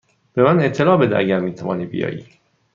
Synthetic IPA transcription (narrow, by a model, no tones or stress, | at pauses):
b̥emæne̞ʔt̪ʰːe̞lɒːbed̪eʔæɟæɾmiːt̪ʰævɒːniːbḭjɒ̰ːjḭ̥ː